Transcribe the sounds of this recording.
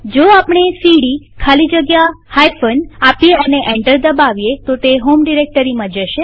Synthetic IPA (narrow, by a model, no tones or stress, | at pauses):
d͡ʒoapɳ̃esiɽi | kʰalid͡ʒəɡjahajfʰənapijeəneʔẽɳʈəɾd̪əbaʋjet̪ot̪eɦomɖiɾek̚ʈəɾimãd͡ʒəʃe